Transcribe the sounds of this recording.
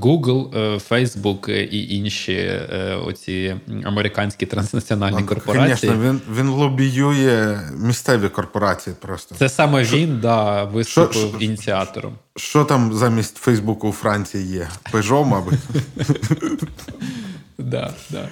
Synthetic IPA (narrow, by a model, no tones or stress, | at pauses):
ɡuɡlˠfɛjzbukʔiʔinʲʃḭɔ̰t͡sʲiɐ̰meɾʲɪkɑnʲsʲkʲit̪ɾɐnsnɐt͡sʲiɔnɑlʲnikɔrkpɔɾɐɑnʲɛʃʲinɛʋʲinʋʲinlˠɔbʲijujɛmʲist̪sɛʋʲikɔrpɔɾɑt͡sʲijipɾɔst̪ɔsɛsɑmɛʋʲind̪ɑʋɪst̪ʊɪwinʲit͡sʲiɑt̪ɔ̰ɾɔ̰m | ʃt͡ʃɔt̪ɑmzamʲisʲtʲfɛjzbukʊːfɾɑnʲt͡sʲijijɛpɪʒɔmɑbɪ | d̪ɑ̰d̪ɑ̰